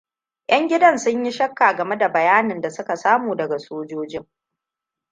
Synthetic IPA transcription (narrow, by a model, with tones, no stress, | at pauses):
j̰ʔɐ˦ŋɡʲɪ˦dɐ˦nsʊ˦ɲji˦ʃɐ˦kːaː˨ɡɐ˨me˦da˨bɐ˨jaː˦nɪ˨nda˨sʊ˦ka˨saː˦muː˨dɐ˨ɡa˨soː˦d͡ʒoː˦d͡ʒɪ˦ŋ